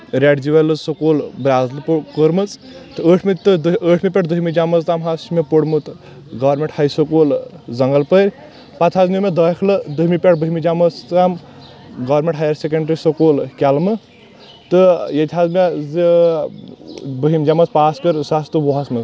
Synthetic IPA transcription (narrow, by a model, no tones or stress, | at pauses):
ɾʲaɖd͡ʒiʋɐlɨzsokoːlbɾʲaːzlpkəɾmɨt͡s | t̪ɨəːʈʰmit̪ɨəːʈʰmipʲeʈʰd̪uɦimid͡ʒamɐzt̪amɦasmepoɽmut̪ | ɡɐʋɾmʲeɳʈhɐjsəkoːlzɐŋɡɐlpəɾʲ | pat͡sʰɦazmimed̪ɐkʰlɨd̪uɦmipʲeʈʰbəɦimid͡ʒamɐt͡st̪am | ɡɐʋɾmʲẽʈɦaːjɐɾsekeɳɖɾisɐkoːlkʲalmɨ | t̪ɨjɐt̪ʰʲɦazmez | bəɦimʲd͡ʒamɐt͡spaːskəɾsast̪ɨbɔɦasmɐ